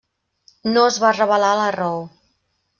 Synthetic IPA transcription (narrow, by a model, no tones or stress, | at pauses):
noəzβarəβəlalərɔw